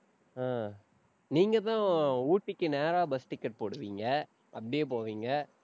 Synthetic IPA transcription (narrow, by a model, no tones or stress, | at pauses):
aː | niːŋɡɐt̪ãːuːʈːɪkːɯneːɾaːbɐsʈɪkːɐʈ̚poːɽɯʋiːŋɡɐ | ʔɐpːɐɽɪjep̬oːʋiːŋɡɐ